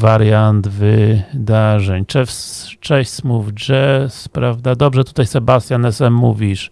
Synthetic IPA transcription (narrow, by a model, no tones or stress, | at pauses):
vaɾjand̪vɘd̪aʐɛɲt͡ʂɛfst͡ʂɛɕsmuvd͡ʐɛspɾavd̪ad̪ɔbʐɛt̪u̥t̪ajsɛbast̪ʲjanɛsɛmmuvʲiʂ